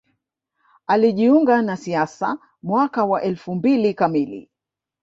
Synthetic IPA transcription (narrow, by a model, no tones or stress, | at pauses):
aliʄiuŋɡanasiasa | mwakawaʔɛlfumbilikamilḭ